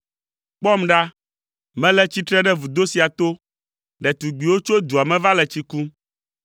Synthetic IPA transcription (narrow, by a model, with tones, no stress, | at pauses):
k͡pɔ˦mɖa˦ | mɛ̃˦lɛ˦t͡ɕi˦t̪ɾɛ˦ɖɛ˦vu˨d̪o˦si˨a˨t̪o˦ | ɖɛ˨t̪u˨ɡ͡bi˨wo˦t͡ʃo˦d̪u˨a˨mɛ̃˦va˦lɛ˨t͡ɕi˦ku˦